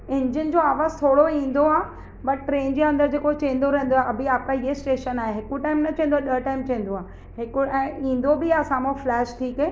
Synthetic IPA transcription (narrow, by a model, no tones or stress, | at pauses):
ɪ̃ɲd͡ʑənd͡ʑoːaːʋaːzt̪ʰoːɽoĩːn̆d̪oaː | bɐʈːʈɾeːnd͡ʑeːɐ̃nd̪əɾd͡ʑeːkot͡ɕẽːn̆d̪oɾɛɦɪ̃n̆d̪oaeɐbʱiaːp̚kʰaiɦesʈeːʃənaːɦeɦɪkoʈaːɪmnɐt͡ɕɐ̃ːnd̪oaːɗəɦʈaːɪmt͡ɕɐ̃ːn̆d̪oaː | ɦɪkoɛ̃ːĩːn̆d̪obɪasaːmõflɛːʃʈʰiːkeː